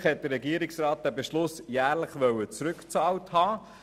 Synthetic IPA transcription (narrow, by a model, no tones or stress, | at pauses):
χhɛt̚d̥ərːɛɡiəɾiksrɑːt̚d̥æbeʃlʊsjæːɾləχʋœwət͡sɾʉkt͡sɑːwthɑː